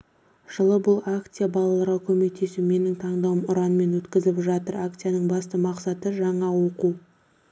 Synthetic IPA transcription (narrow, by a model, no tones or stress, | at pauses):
ʒ̥əlˠəbʊlˠakt̪sijabɑlˠɑlˠəɾʁɑkʲʰɵme̞k̚t̪ʰe̞sume̞nɪŋt̪ʰɑɴd̪ɑwəmʊɾɑnme̞nwɵt̪kʲɪzɪpʒɑt̪əɾakt̪sijanəɴbɑst̪əmɑqsɑt̪əʒɑɴɑwo̞qu